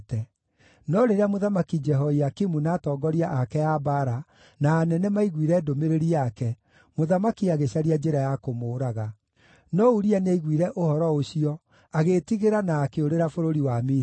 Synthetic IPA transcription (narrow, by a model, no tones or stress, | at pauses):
tɛ | nɔɾeɾeamoðamakid͡ʒɛɦɔiakimunaːtɔːɡɔɾiaʔakɛabaɾa | naːnɛnɛmaiɣwiɾɛdomeɾeɾiakɛ | moðamakiaɣeɕaɾiad͡ʒeɾajakomoːɾaɣa | nɔuɾianeiɣwiɾɛʔohɔɾɔoɕiɔ | aɣetiɣeɾanaːkeoɾeɾafoɾoɾiwame